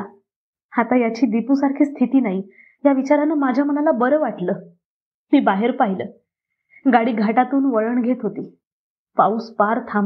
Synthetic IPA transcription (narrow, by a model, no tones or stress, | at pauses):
hat̪ajat͡ɕiːd̪ipusaɾkʰiːst̪ʰit̪iːnaɦi | jaʋit͡ɕaɾanemad͡ʑʱjam̤ənalabəɾəːʋaʈləː | miːbaɦeɾpaɦiləː | ɡaɽiːɡʱaʈat̪uːnʋəɭəɳɡʱet̪ɦot̪iː | pauːspaɾt̪ʰam